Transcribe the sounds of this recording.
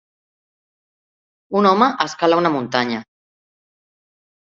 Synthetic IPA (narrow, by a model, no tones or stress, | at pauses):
unɔməʔəskalaunamunt̪aɲa